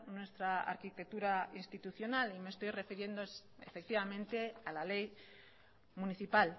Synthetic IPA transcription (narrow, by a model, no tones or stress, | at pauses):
nwe̞st̪ɾaa̰ɾkit̪e̞k̚t̪uɾainst̪it̪uθjo̞nalime̞st̪ojre̞fiɾje̞nd̪oḛfe̞k̚t̪iβamẽ̞nt̪e̞alale̞j | muniθipal